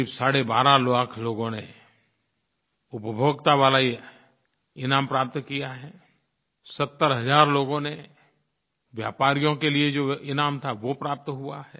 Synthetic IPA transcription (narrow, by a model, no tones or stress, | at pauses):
ibsaːɽebaːɾaloaːkʰloːɡõne | ʊpəbʱoːɡt̪aʋaːla | ɪnãːmpɾaːp̚t̪kijaɦɛː | sət̪ːəɾɦɐzaːɾloːɡõne | ʋja̰ːpaːɾijõkelied͡ʒoːɪnaːmt̪ʰaʋopɾaːp̚t̪ɦʊa̰ɦɛː